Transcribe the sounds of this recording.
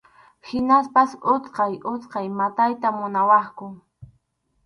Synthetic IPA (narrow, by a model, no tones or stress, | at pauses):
hɪnaspasʊt͡sqɑjʔʊt͡sqɑjmat̪ajt̪amʊnawɑχkʊ